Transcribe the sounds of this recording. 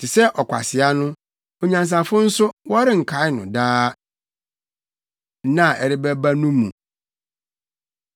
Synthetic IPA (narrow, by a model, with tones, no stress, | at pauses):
tʰɪ˨sɛ˦ʔɔ˨kʷʰa̰˨sɪ˨a˦nʊ̃˦ | o˨ɲã˨ns̬a˨fʊ̃˦n̩˦sʊ˦wɔ˦ɾɪ˦ŋ̩˨kʰa˨˦ɪ˦nʊ̰̃˨daː˦ | nã˦˨ɛ˨ɾɪ˦bɛ˦ba˦nũ˦mːṵ̃˨